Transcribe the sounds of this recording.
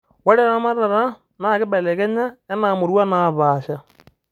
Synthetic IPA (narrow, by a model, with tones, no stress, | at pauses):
we˦ɾe˦ɾa˦ma˦ɾa˨ɾa˦ | na˦ɣe˦be˨le˨ɣɛ˦ɲa˦e˦naː˨mo˨ɾwa˦na˦βaː˨ʃa˨